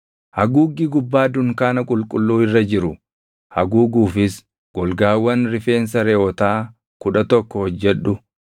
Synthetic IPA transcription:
hɐɡuːɡːiɡʊbːaːd̪ʊŋkaːnɐkʼʊlkʼʊlːuːɪrːɐd͡ʒɪɾʊ | hɐɡuːɡuːfɪs | ɡ̥ɔlɡaːwːɐnɾɪfe̞ːns̬ɐɾɛɔt̪aː | kʊᶑɐt̪ɔkːɔhɔd͡ʒːɛᶑʊ

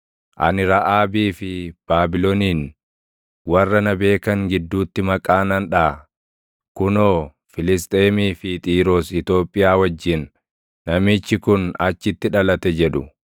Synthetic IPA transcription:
ʔɐ̰nɪɾɐʔaːbiːfɪb̥aːbɪloniːn | wɐrːɐnɐbe̞ːkɐŋɡɪd̪ːuːt̪ːɪmɐkʼaːnɐnᶑaː | kʊnoː | fɪlɪs̬t̪ʼeːmiːfɪt̪ʼiːɾoːsɪt̪o̞ːpʼːɪjaːwɐd͡ʒːɪnː | ɐmɪt͡ʃːɪkʊnɐt͡ʃːɪt̪ːɪᶑɐlɐt̪ɛd͡ʒɛᶑʊ

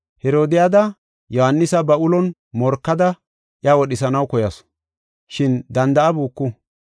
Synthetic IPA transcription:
hɛɾo̞ːd̪ɪjad̪ɐ | jɔhanːɪsɐbɐʔʊlɔn | mɔɾkːɐd̪ɐ | ʔjawɔɗɪsɐnɐwkɔjɐs | ʃɪnd̪ɐnd̪ɐʔɐbuːkːu

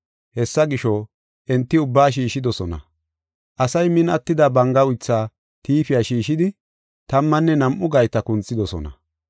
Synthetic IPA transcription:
hɛsːɐɡɪʃɔ | ʔɛnt̪ːɪʊbːaːʃ̬iːʃɪd̪ɔsɔnɐ̰ | ʔɐsɐjmɪnɐt̪ːɪd̪ɐbɐŋɡɐʊjt͡sːaː | t̪iːfɪjaʃiːʃɪd̪ɪ | t̪ɐmːɐnːɛnɐmʔʊɡɐjt̪ɐkʊnt͡sːɪd̪ɔsɔ̰nɐ̰

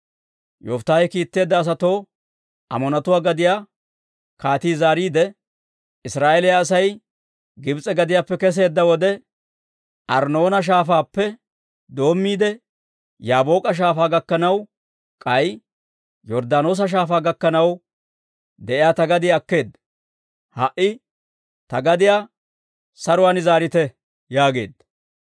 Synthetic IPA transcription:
jɔft̪ːaːjɛkiːt̪ːe̞ːd̪ːɐːs̬ɐt̪o̞ː | ʔɐ̰mɔnɐt̪ʊwaːɡɐd̪ɪjaː | kaːt̪iːzaːɾiːd̪ɛ | ɪsɾaːʔelɪjaːs̬ɐj | ɡɪbt͡sʼɛɡɐd̪ɪjaːpːɛkɛs̬e̞ːd̪ːɐwɔd̪ɛ | ʔɐɾno̞ːnɐʃ̬aːfaːpːɛ | d̪o̞ːmːiːd̪ɛ | jaːbo̞ːkʼɐʃ̬aːfaːɡɐkːɐnɐw | kʼɐj | jɔɾd̪aːno̞ːs̬ɐʃ̬aːfaːɡɐkːɐnɐw | d̪ɛʔɪjaːt̪ɐɡɐd̪ɪjɐkːe̞ːd̪ːɐ | hɐʔɪ | t̪ɐɡɐd̪ɪjaː | sɐɾʊwaːnɪzaːɾɪt̪ɛ | jaːɡe̞̰ːd̪ːɐ

